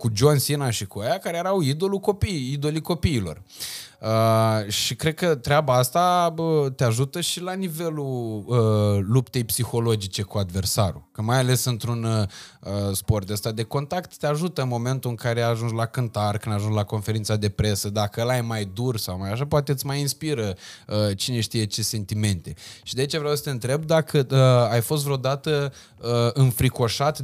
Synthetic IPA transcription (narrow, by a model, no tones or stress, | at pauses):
kud͡ʒonsinaʃikuajakaɾejeɾawid̪o̞luko̞pijid̪o̞likopiːlo̞̰r | əʃikɾe̞d̪̚kət̪ɾeabaast̪aət̪eaʒut̪əʃilanive̞luəlupt̪e̞jpsixo̞lo̞d͡ʒit͡ʃe̞kuad̪ve̞rsaɾṵkəmajale̞sɨnt̪ɾunəspo̞rt̪əst̪ad̪e̞ko̞nt̪akt̪ːeaʒut̪əɨnmo̞me̞nt̪uɨŋkaɾe̞aʒunslakɨnt̪arkɨnd̪aʒunslako̞nfe̞ɾint̪sad̪e̞pɾe̞səd̪akəəlajemajd̪ursawmajaʃ̬apoat̪e̞ɨt̪sʲmajinspiɾəət͡ʃine̞ʃt̪ije̞t͡ʃe̞se̞nt̪ime̞nt̪e̞ʃid̪ait͡ʃevɾeawsə̥t̪eɨnt̪ɾe̞b̚d̪akəəajfost̪vɾeod̪at̪ə | əɨnfɾiko̞ʃat̪